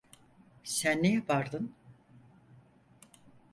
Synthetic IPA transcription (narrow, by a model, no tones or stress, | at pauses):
sænːejɛpʰaɾd̪ɯn